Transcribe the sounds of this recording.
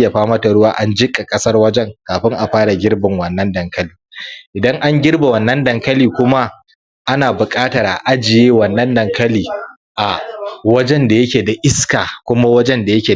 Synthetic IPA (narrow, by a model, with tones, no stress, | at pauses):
ja˨ɸaː˦mɐ˦ta˨ɽʊ˦waː˦ʔa˦nd͡ʒɪ˦kʼa˨kʼɐ˦sɐ˦rwɐ˦d͡ʒɛ˦ŋkaː˨ɸɪ˦ŋʔa˨ɸaː˦ɽa˨ɡʲɪ˦rbɪ˨ŋwɐ˨nːɐ˦ndɐ˨ŋkɐ˦liː˨ʔɪ˨dɐ˦ŋʔa˦ŋɡʲɪ˦rba˨wɐ˨nːɐ˦ndɐ˨ŋkɐ˦liː˨kʷʊ˦ma˦ | ʔa˦naː˨bʊ˨kʼaː˦tɐ˨ɾʔa̰˨ʔa˦d͡ʒɪ˨jeː˦wɐ˨nːɐ˦ndɐ˨ŋkɐ˦liː˨ | ʔa˨wɐ˦d͡ʒɛ˦nda˨jɐ˦kʲeː˨da˨ʔɪ˦skaː˨kʷʊ˦ma˦wɐ˦d͡ʒɛ˦nda˨jɐ˦kʲeː˨